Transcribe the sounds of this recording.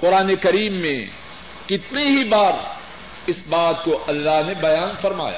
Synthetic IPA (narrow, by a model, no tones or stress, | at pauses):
qʊɾaːnekɐɾiːmːḛ̃ | kɪt̪niɦibaːɾ | ɪsbaːt̪̚koʔɐlːaɦnebɐjaːnfɐɾma̰ːja̰